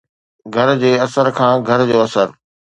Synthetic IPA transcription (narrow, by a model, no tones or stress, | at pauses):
ɡʱɐɾd͡ʑeːɐsəɾkʰãːɡʱɐɾd͡ʑoːɐsəɾ